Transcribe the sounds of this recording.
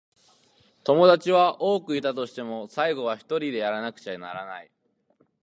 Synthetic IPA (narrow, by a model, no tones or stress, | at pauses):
t̪o̞mo̞d̪at͡ɕiβaʔo̞ːkɯ̟it̪at̪o̞ɕi̥t̪e̞mo̞saiɡo̞β̞açi̥t̪o̞ɾʲid̪e̞jaɾanakɯ̟̥t͡ɕanaɾanai